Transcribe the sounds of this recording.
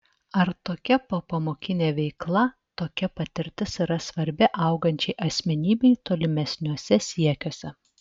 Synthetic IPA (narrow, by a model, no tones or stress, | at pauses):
ɐɾt̪oːkʲɛpoːpɐmoːkʲɪnʲeːʋʲɛɪklˠɐ | t̪oːkʲɛpɐt̪ʲɪɾʲt̪ʲɪsiːɾɐsʋɐɾʲbʲɪʔɐˑʊɡɐnʲt͡ʃʲɛɪʔɐsʲmʲɛnʲiːbʲɛɪt̪oːlʲɪmʲɛsʲnʲuɔsʲɛsʲiɛkʲoːsʲɛ